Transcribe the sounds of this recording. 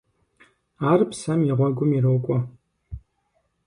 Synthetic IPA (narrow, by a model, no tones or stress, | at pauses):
aːrpsɐmiʁʷɔɡʷʊmirowkʷʼɔ